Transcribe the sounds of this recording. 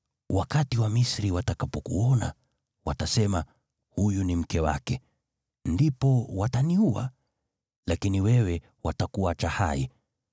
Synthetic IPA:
wakatiwamisɾiwatakapɔkṵɔna̰ | watasɛma | hujunim̩kɛwa̰kɛ | ndipɔwataniua̰ | lakiniwɛwɛ | watakuwat͡ʃaha̰ḭ

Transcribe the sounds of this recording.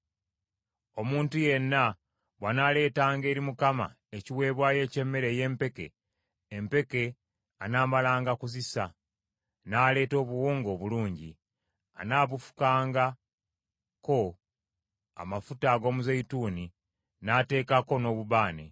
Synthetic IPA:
o̞muːntuje̞nːa | βwanaːle̞ːtaːŋɡe̞ːɾimukama̰ | eciwe̞ːβwaːje̞ːce̞mːe̞ɾe̞je̞ːmpe̞ke̞̰ː | mpe̞ke̞ | anaːmalaːŋɡakuzisa | naːle̞ːto̞ːβuwoːŋɡo̞ːβuluːɲɟi | a̰naːβufu̥kaːŋɡa | ko̞ | a̰mafutaɡo̞ːmuzeituːni | naːte̞ːkako̞no̞ːβuβaːnḛ

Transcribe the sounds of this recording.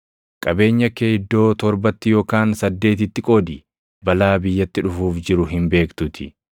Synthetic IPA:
kʼɐbe̞ːɲːɐkeːɪd̪ːo̞ːt̪ɔɾbɐt̪ːɪjo̞ːkaːnsɐd̪ːe̞ːt̪ɪt̪ːɪkʼo̞ːd̪ɪ | bɐlaːbɪjːɐt̪ːɪᶑʊfuːfd͡ʒɪɾʊɦɪmbe̞ːkt̪ʊt̪ʰɪ

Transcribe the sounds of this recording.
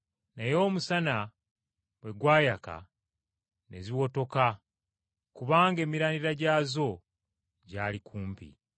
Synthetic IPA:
najo̞ːmusana | βwe̞ɡwaːjaka̰ | ne̞̰ziwo̞to̞ka | kuβaːŋɡe̞ːmiɾaːniɾaɟaːzo̞ | ɟaːlikʰuːmpḭ

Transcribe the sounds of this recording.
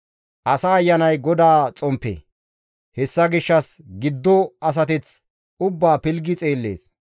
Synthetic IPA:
ʔɐsaːjːɐnɐjɡɔd̪aːt͡sʼɔmpːḛː | hɛsːɐɡɪʃːɐsɡɪd̪ːɔɐs̬ɐt̪ɛt͡s | ʊbːaːpɪlɡɪt͡sʼe̞ːlːe̞̰ːs

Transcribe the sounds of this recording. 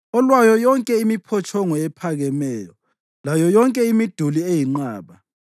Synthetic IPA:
ɔlwajɔjɔŋkʼɛimipʰɔt͡ʃʼɔŋɔɛpʰaɣɛmɛːjɔ | lajɔjɔŋkʼɛimid̥ʱuliejiŋ͡ǃaːβa

